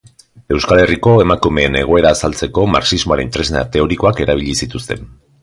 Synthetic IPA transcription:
e̞wskale̞riko̞e̞makume̞ːne̞ɣ̞o̞e̞ɾaːsalt͡se̞ko̞ma̰ksizmo̞aɾent̪ɾe̞zna̰t̪e̞o̞ɾiko̞ake̞ɾaβ̞iʎisit̪ust̪e̞̰n

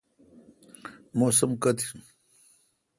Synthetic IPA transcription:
mosɐmkɐt̪i̥

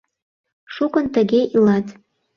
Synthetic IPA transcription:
ʃukənt̪əɣeʔilɑt̪

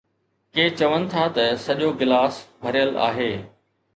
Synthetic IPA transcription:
keːt͡ɕɐʋənɪ̆t̪ʰat̪ɐsɐʄoɡɪlaːsbʱɐɾijəla̰ːɦeː

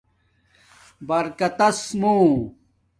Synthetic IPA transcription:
bɐɾkɐt̪ɐsmoː

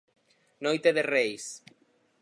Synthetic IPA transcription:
nojt̪eðerejs

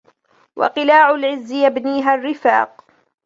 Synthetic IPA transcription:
wɑ̰qɨlaːʕʊlʕɪzːɪjabniːɦarːɪfa̰ːq

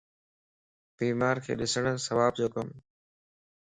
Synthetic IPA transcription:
b̥iːmaːɾkʰḛːɗɪsəɽ̃səʋaːb̚d͡ʑoːkəm

